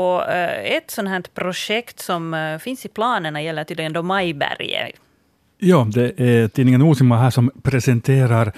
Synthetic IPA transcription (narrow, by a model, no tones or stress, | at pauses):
ɔɛt̪sɔnɦæːɳʈpʰɾʊʂɛkt̪sɔmfɪnsɪpʰlɑːnəɳɑjɛlːət̪ʰiːd̪lɪɡənd̪ɔmɑjbæ̰ɾjə̰ | jɑːd̪ɛʔæt̪ʰiːnɪŋənuːsɪmːaɦæːʂɔmpʰɾɛsɛnt̪ʰeːɾaɾ